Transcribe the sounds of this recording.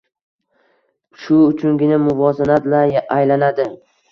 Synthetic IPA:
ʃʊʊt͡ʃʰʊŋɡʲɪnamʊvɒzanat̪laajlanad̪ɪ

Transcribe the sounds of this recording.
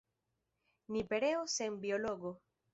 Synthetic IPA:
nipeɾeosembioloɣo

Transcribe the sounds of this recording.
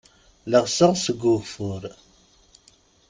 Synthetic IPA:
ləʁsəʁsəɡufʊɾ

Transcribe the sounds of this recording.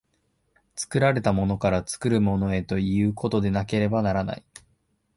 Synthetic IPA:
t͡sɨ̥kɯ̟ɾaɾe̞t̪amo̞no̞kaɾat͡sɨ̥kɯ̟ɾɯ̟mo̞no̞e̞t̪o̞iɯ̟ːkʰo̞t̪o̞d̪e̞nake̞ɾe̞banaɾana̰i

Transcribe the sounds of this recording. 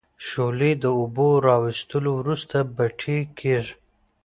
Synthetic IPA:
ʃoled̪əʊboɾɑwɪst̪əlowɾust̪abaʈʰekʰeʐ

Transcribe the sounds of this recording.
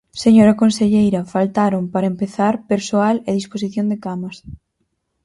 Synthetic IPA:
seɲoɾɐkonseʎejɾɐfalt̪aɾompaɾɐempeθaɾpeɾsoaleðisposiθjond̪ekamɐs

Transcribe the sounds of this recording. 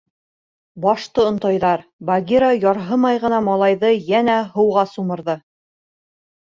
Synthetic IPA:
bɒʃt̪ɤŏnt̪ɑjðɑɾbaɡʲiɾajɒɾɦɤmɑjʁɤ̆nɑmɑlˠɑjðɤjænæɦɤ̆wʁɑsumɤ̆ɾðɤ

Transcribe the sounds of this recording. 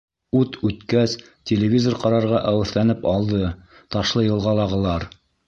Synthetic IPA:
ʉt̪ʉt̪kæs | tʲelʲɪvʲizoɾqɑɾɑɾʁɑʔæwɘ̆θlænɘpɑlˠd̪ɤ | t̪ɑʃlˠɤjɤ̆lˠʁɑlˠɑʁɤ̆lˠɑɾ

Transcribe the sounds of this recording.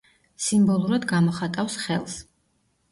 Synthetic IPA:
simbɔlˠuɾad̪ɡamɔχat̪ʼafsχɛlˠs

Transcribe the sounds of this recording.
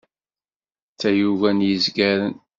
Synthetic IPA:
t͡sːæjuvænjəzɡæɾən

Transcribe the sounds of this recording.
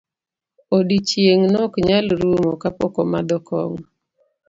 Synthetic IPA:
odit͡ʃjeŋnɔkɲalɾumokapɔkɔmad̪ɔkʰɔŋ

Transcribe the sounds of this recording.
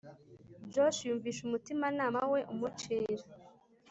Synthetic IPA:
d͡ʒoʃjuːɱviːʃumutimanaːmawe̞ʔumut͡ʃeːɾa

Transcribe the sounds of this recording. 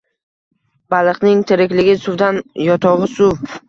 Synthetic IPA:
b̥alˠɨqnɪŋt̪ʰɪɾɪkʲlɪɡʲɪsʊwd̪anjɒt̪ʰɒʁɨsʊw

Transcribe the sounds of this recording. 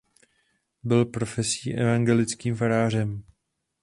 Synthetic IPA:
bɪlpɾo̞fɛsiːʔɛ̰vaŋɡɛlɪt͡skiːmfaɾaːr̝ɛm

